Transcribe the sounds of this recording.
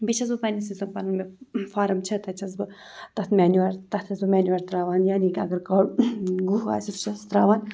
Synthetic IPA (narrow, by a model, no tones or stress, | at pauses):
bit͡ʃʰɐz̬bɨpɐnisizɐmpɐnɨmefaːɾɐmt͡ʃʰɐt̪ɐt͡ʃʰɐzbɨ | t̪ɐt̪ʰmʲaːnuʋɐɾt̪ɐt̪ʰɐzbɨmʲaːnuɐɾt̪ɾaːʋaːnjaːnikʲɐɡɐɾkɐːɡuɦa̰ːsit̪ʰt͡ʃʰɐst̪ɾaːʋaːn